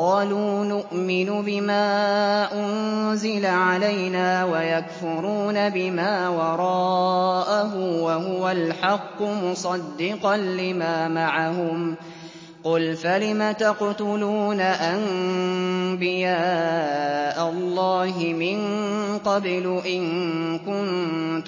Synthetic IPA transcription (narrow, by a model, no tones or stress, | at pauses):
qɑːluːnʊʔmɪnʊbɪmaːʔʊnzɪlaʕalajnaːwajakfʊɾuːnabɪmaːwɑɾˤɑːʔaɦʊwaɦʊwalħɑqːʊmʊsˤɑd̪ːɪqɑnlɪmaːmaʕahʊm | qʊlfalɪmat̪aqt̪ʊluːnaʔan | bɪjaː | ʔalˤːɑːɦɪmɪnqɑblʊʔɪŋ | kʊnt̪